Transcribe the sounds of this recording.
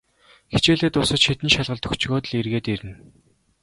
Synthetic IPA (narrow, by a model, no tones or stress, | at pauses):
xe̥t͡ɕeːɮɘ̆ːt̪ʊsə̆t͡ɕxit̪ɘ̆nʃaɮʁə̆ɮt̪ʰɵ̥̆kt͡ɕɣoːt̪̆ɮirɣeːt̪eɾɘ̆n